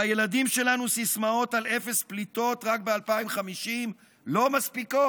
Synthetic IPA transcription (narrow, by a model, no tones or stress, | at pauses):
aje̞ladimʃe̞lanusismao̞tale̞fe̞split̪o̞tʁakbealpaimχamiʃim | lo̞maspiko